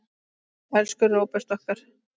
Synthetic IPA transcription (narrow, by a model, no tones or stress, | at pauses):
ɛlskʏrːowpɛst̪ɔht̪aɾ̥